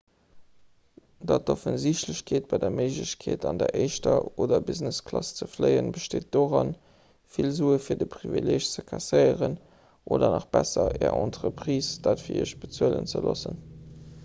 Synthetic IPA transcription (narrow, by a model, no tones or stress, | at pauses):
dɑt̚dofənziɕtləɕkʰeːt̚b̥ɑɪdɐməɪʒləɕkʰeːtɑndəɐʔəɪʃtɐoːdɐbizneskʰlɑst͡səfləɪənbəʃteːt̚d̥oːʁɑn | filzuːəfiːɐdəpʁivḭleːɕt͡səkʰɑsəɪəʁən | ʔoːdɐnɑχb̥æsɐɛːɐɑntʁəpʁiːsd̥ɑːtfiːɐḭɕb̥ət͡suələ̰nt͡səlosən